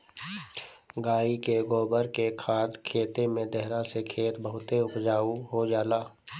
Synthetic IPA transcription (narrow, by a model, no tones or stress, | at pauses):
ɡaːikeɡoːbəɾkekʰaːd̪kʰeːt̪emẽd̪ɛɦɾasekʰeːt̪bəɦʊt̪eʊpd͡ʒaːuɦod͡ʒaːlaː